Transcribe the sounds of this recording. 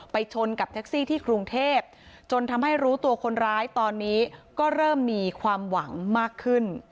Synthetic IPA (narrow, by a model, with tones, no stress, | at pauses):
pa˧jt͡ɕʰo˧nka˨˩pt̪ʰɛ˦˥k̚siː˥˩t̪ʰiː˥˩kɾu˧ŋt̪ʰeː˥˩p̚t͡ɕo˧nt̪ʰa˧mɦa˥˩jɾuː˦˥t̪u˧ɐkʰo˧nɾaː˦˥jt̪ɔː˧nːiː˦˥kɔː˥˩ɾɤː˥˩mːiː˧kʰwaː˧mwa˩˦ŋmaː˥˩kʰːɯ˥˩n